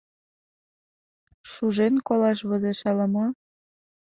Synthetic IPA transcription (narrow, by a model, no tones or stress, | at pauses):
ʃuʒenkolɑʃβozeʃɑləmo